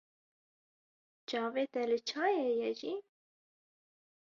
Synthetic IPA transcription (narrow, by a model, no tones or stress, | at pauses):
t͡ʃɑːveːt̪ɛlɨt͡ʃʰɑːjeːjɛʒiː